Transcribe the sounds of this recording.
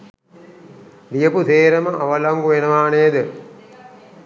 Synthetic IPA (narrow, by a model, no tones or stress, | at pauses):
lijəput̪eːɾəməʔaʋɐlɐŋɡuʋenəʋaːnejəd̪ə